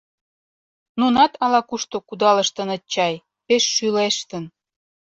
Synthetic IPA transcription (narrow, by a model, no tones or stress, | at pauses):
nunɑt̪ɑlɑkuʃt̪okud̪ɑlə̆ʃt̪ə̆nə̆t͡ɕːɑj | peʃːyleʃt̪ən